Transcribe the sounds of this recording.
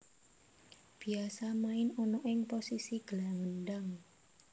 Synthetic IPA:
b̥i̤asamaɪnɔnɔʔɪŋposisiɡ̥əlaŋəndaŋ

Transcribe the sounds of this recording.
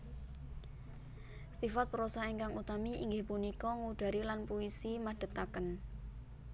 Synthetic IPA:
sifat̪̚pəɾɔsaeŋkaŋut̪amiʔḭŋɡɪhpunikɔŋuɖ̥a̤ɾilanpuisimaɖ̥ə̤t̪akən

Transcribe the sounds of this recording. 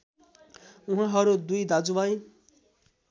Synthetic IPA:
uɦãɦʌɾud̪ujd̪ad͡zubaj

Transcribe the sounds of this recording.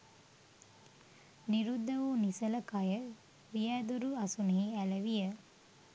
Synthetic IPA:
niɾud̪ːɐʋunisɐlɐkajə | ʋijæːd̪uɾuɐsuneiælɐʋijə

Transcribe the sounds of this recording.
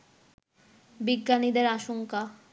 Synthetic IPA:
biɡːanid̪eɾaʃoŋka

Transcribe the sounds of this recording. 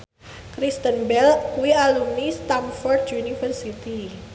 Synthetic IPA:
kɾist̪ənbɛluialumnist̪amfɔrd̪junifərsit̪i

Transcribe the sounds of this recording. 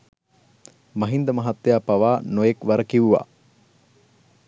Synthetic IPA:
mɐɦind̪əmɐɦat̪ːejaːpaʋaːnojekʋɐɾəkiuʋa̰ː

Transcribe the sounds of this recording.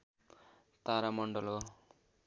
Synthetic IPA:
t̪aɾamʌɳɖʌlo

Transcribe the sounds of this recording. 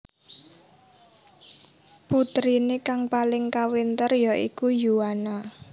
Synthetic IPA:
put̪ɾinekaŋpalɪŋkawint̪ərjɔʔikujuana

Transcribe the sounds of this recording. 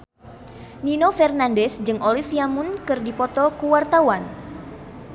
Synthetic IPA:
ninofɛrnandɛsd͡ʒɨŋʔolifiamunkɨrdipɔt̪ɔkuwart̪awan

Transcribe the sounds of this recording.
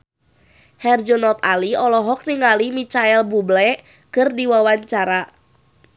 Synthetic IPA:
hɛrd͡ʒonɔt̪aliɔlɔɦɔk̚niŋalimit͡ʃaɛlbublɛ | kɨrdiwawaɲt͡ʃaɾa

